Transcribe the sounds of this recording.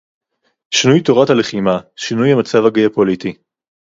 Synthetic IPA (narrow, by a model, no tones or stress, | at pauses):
ʃinujtoʁathaleχimaʃinujamat͡savaɡeapoliti